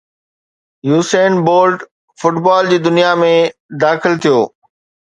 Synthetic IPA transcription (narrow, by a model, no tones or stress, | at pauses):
juːseːnboːlɖ | fʊʈbaːld͡ʑiːd̪ʊnijamẽd̪aːxɪlt̪ʰijoː